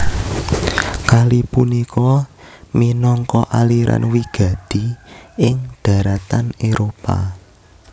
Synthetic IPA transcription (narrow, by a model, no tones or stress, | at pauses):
kalipunikɔminɔŋkɔʔaliɾʔa̰nwiɡ̥ä̤d̪̥i̤ɪŋd̪̥ä̤ɾat̪aneɾopa̰